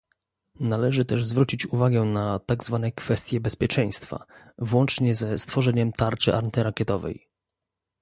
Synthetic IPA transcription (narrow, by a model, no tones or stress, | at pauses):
nalɛʐɘt̪ɛʐzvɾut͡ɕit͡ɕuvaɡɛnat̪aɡzvanɛkfɛst̪ʲjɛbɛspʲjɛt͡ʂɛj̃st̪fa̰ | vwɔnt͡ʂɲɛzɛst̪fɔʐɛɲɛmt̪aɾt͡ʂɘ̰ʔa̰ɾnt̪ɘɾakʲɛt̪ɔvɛ̰j